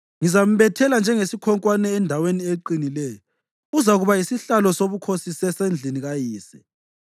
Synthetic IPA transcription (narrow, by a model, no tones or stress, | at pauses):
ŋizam̩βɛtʰɛland͡ʒʱɛŋesikʰɔŋkʼwanɛːndʱawenieǃinilɛjɔ | uzaɣuβaisiɬalɔsoβukʰosisɛsend͡ɮʱiniɣajiːsɛ̥̰